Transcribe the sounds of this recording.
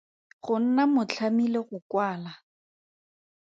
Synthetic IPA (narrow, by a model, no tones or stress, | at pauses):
χʊn̩namʊt͡ɬʰamileɣʊkwaːla